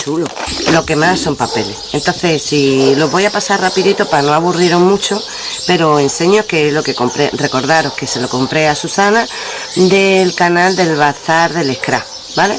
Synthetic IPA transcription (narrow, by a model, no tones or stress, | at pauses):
t͡ʃulolo̞ke̞masːo̞mpape̞le̞ent̪o̞n̟θe̞silo̞ɦβo̞japasarrapiðit̪opano̞aβurieɾomũt͡ʃo | pe̞ɾoe̞nse̞ɲo̞hkelo̞ke̞ko̞mpɾere̞ko̞ɾðaɾo̞hke̞se̞lo̞ko̞mpɾe̞asusana | d̪e̞lkanald̪e̞lβaθaɾðe̞le̞hkɾa̰ | bale̞̰